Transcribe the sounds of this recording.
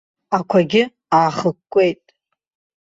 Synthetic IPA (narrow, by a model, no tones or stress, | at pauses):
akʷʰaɡʲɪ | aːχəkʷʼːe̞jtʼ